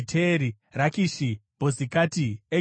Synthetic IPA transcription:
tʰeɾi | rakiʃib̥ʱozikaːtie

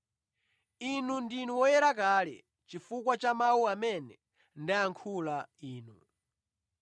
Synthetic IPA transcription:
inundinuwɔjɛɾak̬aːlɛ̰ | t͡ʃifukwat͡ʃamawuamɛnɛ | ndaaŋkʰulaiːnu

